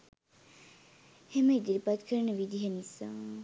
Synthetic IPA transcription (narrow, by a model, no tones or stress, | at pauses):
heməid̪iɾipat̪kʰəɾənəʋid̪iɦenisa